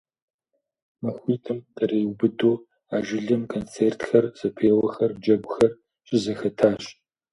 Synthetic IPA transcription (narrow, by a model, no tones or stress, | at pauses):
mɐxʷiːtʰɨmqʼɐɾeːwbɨdoː | aːʒɪɮɐmkʰoːnt͡sʰeːrtʰxɐrz̥ɐpʰeːwɐxɐrd͡ʒɐɡʷxɐr | ɕʼɪzɐxɐtʰaːɕ